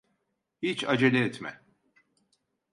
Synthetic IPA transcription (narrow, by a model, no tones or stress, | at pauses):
hit͡ʃad͡ʒelʲɛːt̪mɛ̰